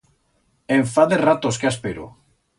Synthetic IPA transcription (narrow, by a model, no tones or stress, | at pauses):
eɱfaðerat̪oskeaspeɾo̰